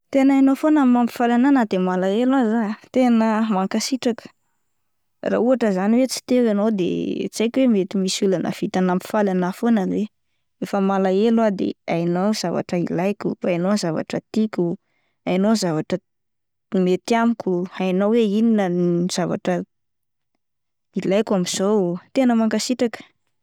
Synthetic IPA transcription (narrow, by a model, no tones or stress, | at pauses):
t̪enanofonəmampi̥falananad̪emalaelazat̪enəmaŋkasiʈ͡ʂakə̥ | ra̰uaʈ͡ʂəzaniwet͡si̥t̪ewanod̪ḛt͡sajkʲwemet̪imisulanʔə̰v̥it̪anampi̥falanafonənwe | efəmalaelwad̪ḛajnowz̥ava̰ʈ͡ʂəilajkʲufaajnozava̰ʈ͡ʂət̪ikʲu | ajnozavaʈ͡ʂə | met̪iamikʲuajnoweininəniz̥ava̰ʈ͡ʂə | ilajkʲamiz̥owt̪enəmaŋkasiʈ͡ʂakə̥